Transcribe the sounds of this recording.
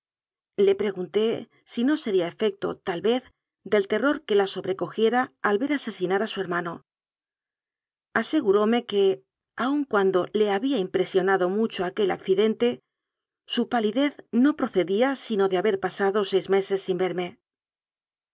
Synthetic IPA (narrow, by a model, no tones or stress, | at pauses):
le̞pɾe̞ɣunt̪e̞ | sino̞se̞ɾiae̞fe̞k̚t̪o̞̰t̪alβe̞θ | d̪e̞lt̪e̞ro̞ɾke̞laso̞βɾe̞ko̞xje̞ɾaːlβe̞ɾase̞sinaɾasue̞ɾmãno̞ | ase̞ɣuɾo̞me̞ke̞ | auŋkwand̪o̞le̞aβiaimpɾe̞sjo̞naðo̞mut͡ʃo̞ake̞la̰kθiðe̞nt̪e̞ | supaliðe̞θno̞pɾo̞θe̞ðiasino̞ðeaβe̞ɾpasaðo̞se̞jzme̞se̞sːimbe̞ɾme̞